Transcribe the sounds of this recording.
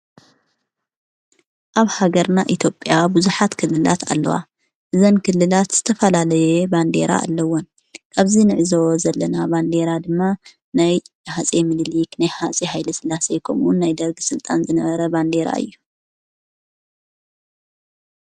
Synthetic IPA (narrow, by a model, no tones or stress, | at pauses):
ʔaβhaɡɐɾnaʔit̪ʰjo̞pʼːjabuzuħat̪kʰɨlːɨla̰t̪a̰lːɐ̰wa̰ | ʔɨzɐnkʰɨlːɨlat̪z̥ɨt̪ʰɐfɐlalɐjeband̪e̞̰ɾa̰ːlːɐwon | kʰaβzinɨʕɨzozɐlːɐnaband̪e̞ɾad̪ɨmːa | naj | hat͡sʼemɨd̪liknajhat͡sʼihajlɐsɨlːase̞kʰɐmʔunːajd̪ɐɾɡɨsɨlt̪ʼanzɨnɐβɐɾɐband̪e̞ɾa̰ɨ̰jːu